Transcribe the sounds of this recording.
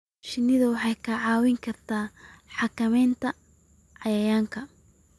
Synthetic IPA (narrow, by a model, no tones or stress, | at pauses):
ʃɪnːɪðɐwɑħɑjkʰɐʕɑːwɪŋkʰɐrt̪ʰaːħɑkɐmɛjnt̪ʰɐ | ʕɑjɐjaːŋkʰɐ